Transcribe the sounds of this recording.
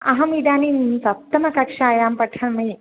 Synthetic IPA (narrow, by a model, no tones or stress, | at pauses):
ɐɦɐmid̪aːninsɐp̚t̪ɐmɐkɐkʂaːjaːmpɐʈʰɐnmɐj